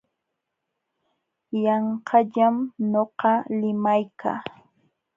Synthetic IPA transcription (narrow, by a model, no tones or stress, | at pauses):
jɑɴqʰɑʎamɲoqɑlɪmajkʰa̰ː